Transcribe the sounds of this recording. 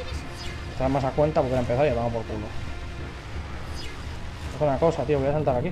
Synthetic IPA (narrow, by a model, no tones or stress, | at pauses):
est̪ɾaɾmasakwe̞nt̪apokeaempe̞θaɾjaβaŋaopoɾkulo | esunako̞sat̪ioβojasalt̪aɾaki